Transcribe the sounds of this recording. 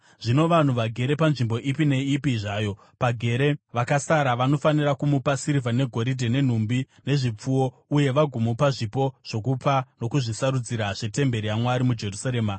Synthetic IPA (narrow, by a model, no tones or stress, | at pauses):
ʐino̞ʋan̤uʋaɡʱe̞ɾe̞panʐimbo̞ʔipine̞ipiʐaːjo̞ | paɡʱe̞ɾe̞ʋakasaɾaʋano̞fanirakumupasiɾivane̞ɡʱo̞ɾidʱene̞n̤umbi | ne̞ʐip͡fuwo̞ | uje̞ʋaɡʱumupaʐipo̞ʐ̥o̞kupano̞kuʐisaɾud͡ziɾaʐe̞te̞mbe̞ɾijamwaɾimud͡ʒe̞rusaɾe̞ːma